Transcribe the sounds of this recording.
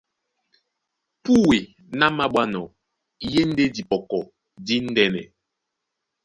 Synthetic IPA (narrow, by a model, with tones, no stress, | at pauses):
pu˦we˨ | na˦ma˦ɓwa˦nɔ˨ | je˦n̩˦de˦di˨pɔ˨kɔ˨ | di˦n̩˦dɛ˦nɛ̰˨